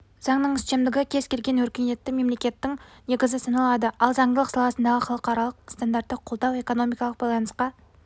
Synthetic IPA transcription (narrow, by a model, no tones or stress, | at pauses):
z̥ɑɴnəɴɪst̪e̞md̪ɪɡʲɪkʲʰe̞z̥kʲe̞lɡʲe̞nwɵɾkʲene̞t̪ːɪme̞mle̞kʲe̞t̪ːɪŋne̞ɡʲɪzɪsɑnɑlˠɑd̪əɑlˠzɑɴd̪ələqsɑlˠɑsənd̪ɑʁəχɑlˠəqɑɾɑlˠəqst̪and̪aɾt̪ːəqʰolˠd̪ɑwe̞ko̞no̞mijkɑlˠəq̚bɑjlˠɑnəsqɑ